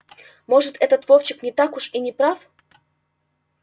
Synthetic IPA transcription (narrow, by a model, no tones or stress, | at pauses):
moʐɨt̪ʰɛt̪ət̪voft͡ɕɪknʲɪt̪akʊʂinʲɪpɾaf